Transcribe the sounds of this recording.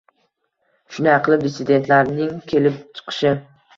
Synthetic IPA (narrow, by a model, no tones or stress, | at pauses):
ʃʊnɪɑqʰɨlˠɪp̚d̪ɪsɪd̪e̞nt̪laɾnɪŋkʲʰe̞lɪp̚t͡ʃʰɨ̥qʰɨ̥ʃɪ